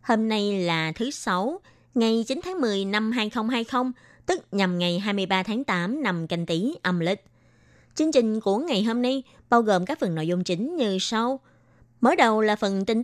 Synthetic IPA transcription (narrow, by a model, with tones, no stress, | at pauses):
hoː˧mna˧jlaː˨˩t̪ʰɨ˨˦sa˨˦w | ŋa˨˩jt͡ɕi˨˦nt̪ʰaː˨˦ŋmɨ˨˩əjna˧mɦaː˧jxə˧wŋ͡mɦaː˧jxə˧wŋ͡m | t̪ɨ˦˥k̚ɲa˨˩mŋa˨˩jɦaː˧jmɨ˧əjɓaː˧t̪ʰaː˨˦ŋt̪aː˨˦mna˨˩mka˧ŋ̟t̪i˨˦ʔə˧˩mlï˨˩k̟̚ | t͡ɕɨ˧əŋt͡ɕï˨˩ŋ̟ku˧˩əŋa˨˩jɦo˧mna˧j | ɓaː˧wɣo˨˩mkaː˦˥k̚fə˨˩no̰˧˨jzʊ˧ŋ͡mt͡ɕï˨˦ŋ̟ɲɨ˧sa˧w | məː˨˦jɗə˨˩wlaː˨˩fə˨˩nt̪ï˧ŋ